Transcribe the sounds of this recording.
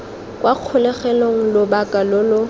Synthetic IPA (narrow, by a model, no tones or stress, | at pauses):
kʼwaq͡χʰʊlɛχɛloŋ̩lʊbakʼalʊlʊ